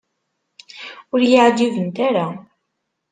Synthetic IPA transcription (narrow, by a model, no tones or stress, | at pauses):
ʊɾjəʕd͡ʒivənt̪aɾa